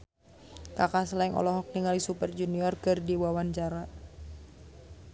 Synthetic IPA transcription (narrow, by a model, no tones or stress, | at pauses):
kakasəlaiŋʔɔ̰lɔɦɔk̚niŋalisupərd͡ʒuniɔrkɨrdiwawaɲt͡ʃaɾa